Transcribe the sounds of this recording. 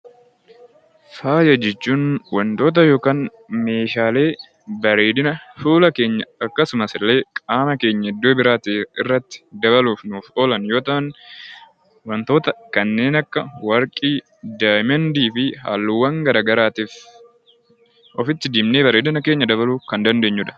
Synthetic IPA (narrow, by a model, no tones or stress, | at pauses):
faːjɐd͡ʒɛt͡ʃːuːnwɐnt̪o̞ːt̪̬ɐjo̞ːkaːn | me̞ːʃaːle̞ː | bɐɾeːd̪ɪnɐfuːlɐke̞ːɲːɐɐkːɐsʊmɐsɪlːe̞ːkʼaːmɐke̞ːɲːɐɪd̪ːoːbɪɾaːt̪eːɪrːɐt̪ːɪ̥d̪ɐβɐluːfnuːfoːlɐnjo̞ːt̪ɐhɐn | wɐnt̪o̞ːt̪ɐkɐnːe̞ːnɐkːɐwɐɾkʼiː | d̪aːjmɛnd̪iːfɪha̰ːlːʊwːɐŋɡɐɾaːɡɐɾaːt̪iːf | ʔɔfɪt̪ːɪd̪iːmne̞ːbɐɾeːd̪ɪnɐke̞ːɲːɐd̪ɐβɐluːfkɐnd̪ɐnd̪e̞ːɲːʊᶑɐ̥